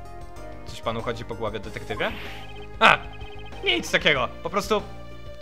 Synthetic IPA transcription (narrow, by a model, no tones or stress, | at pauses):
t̪ɔɕpanuxɔd͡ʑipɔɡwɔvʲjɛd̪ɛt̪ɛkt̪ɘvʲjɛ | a | ɲit̪st̪akʲɛɡɔpɔpɾɔst̪u